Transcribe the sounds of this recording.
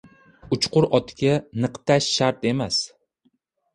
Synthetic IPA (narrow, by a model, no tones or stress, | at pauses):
ʊt͡ʃqʊɾɒt̪ʰɪɡʲanɨqt̪ʰaʃːaɾt̪e̞mas